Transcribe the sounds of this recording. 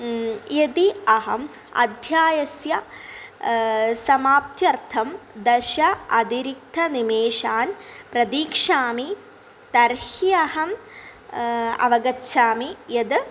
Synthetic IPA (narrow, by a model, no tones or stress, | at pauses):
jed̪iɐɦɐm | ɐ̰d̪ʱjaːjɐsjɐ | sɐmaːp̚t̪jɐrt̪ʰɐmd̪ɐʃɐɐd̪iɾik̚t̪ʰɐnimeːʂaːnpɾɐd̪iːkʂaːmi | t̪ɐɾhiɐhɐm | ɐ̰ʋɐɡɐt͡ɕɕʰaːmijɐd̪ɨ